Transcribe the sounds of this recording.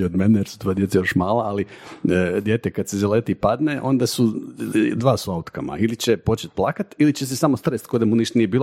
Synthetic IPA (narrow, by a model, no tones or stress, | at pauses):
od̪menejeɾsu̥t̪ʋojed̪et̪sajo̞ʃmaːlˠaali | d̪je̞t̪ekad̪sezeleːt̪ipad̪neʔo̞nd̪asu | d̪ʋaːsuaut̪kama̰ilit͡ɕepo̞t͡ʃet̪̚plˠaːkat̪ilit͡ɕes̬esamost̪ɾest̪kod̪emuniʃt̪nijebiːlo